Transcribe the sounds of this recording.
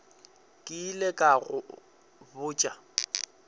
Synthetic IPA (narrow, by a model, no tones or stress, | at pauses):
kʼɪːlekʼaɣʊ̰ | bʊːt͡ʃʼa